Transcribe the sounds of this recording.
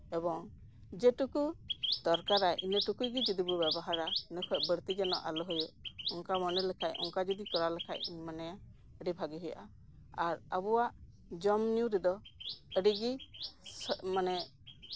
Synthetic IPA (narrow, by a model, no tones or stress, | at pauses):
ɛbɔŋ | d͡ʒɛʈukud̪̥ɔɾkaɾaʔinəʈukujɡid͡ʒɔd̪ibɔbɛbɔɦaɾanəkʰɔʔ̚bəɾt̪id͡ʒɛnɔ̰ʔa̰lɔɦɔjɔʔɔŋkamɔnɛlɛkʰajʔɔ̰ŋkad͡ʒɔd̪ikɔɾalɛkʰa̰ʔ̚manɛja | əɖibʱaɡiɦɛjʔa | aɾəbɔwaʔ | d͡ʒɔmnjuɾɛd̪ɔəɖiɡismanɛ